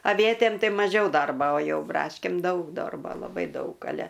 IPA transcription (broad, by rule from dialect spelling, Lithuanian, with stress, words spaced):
ɐˈʋʲiɛtʲeːm ˈtɐɪ mɐˈʒʲɛʊ ˈdɐrboː oː ˈjɛʊ ˈbrɑːʃʲkʲeːm ˈdɐʊk ˈdoːrboː lˠɐˈbɐɪ ˈdɐʊk ɐˈlʲɛ